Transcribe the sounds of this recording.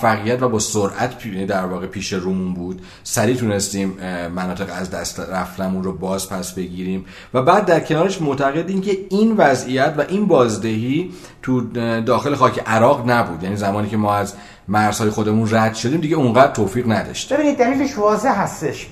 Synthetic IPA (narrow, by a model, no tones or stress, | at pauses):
fæɣijæt̪væbɒːsoɾʔæt̪ʰid̪æɾvɒːɣe̞pʰiːʃe̞ɾuːmunbuːd̪̥ | sæɾiːt̪ʰunest̪iːmːænɒːt̪e̞ɣæzd̪æst̪ɾæft̪æmunrobɒːzpʰæsbe̞ɟiːɾiːm | væbæːd̪̚ːæɾcʰe̞nɒːɾe̞ʃmoʔt̪ʰæɣe̞d̪iːmcʰe̞invæzijæt̪væʔinbɒːzd̪eɦiː | t̪ʰud̪ɒːxe̞le̞xɒːcʰe̞ʔæɾɒːɣnæbuːd̪jæːnizæmɒːniːcʰemɒːæz | mæɾz̥hɒːje̞xod̪e̞munræd̪̥ʃo̞d̪iːmd̪iɟeuŋɢæd̪ɾt̪ʰoːfiːɣnæd̪ɒ̰ʃt̪be̞binid̪̚ːæliːleʃvɒːzeɦæst̪eʃ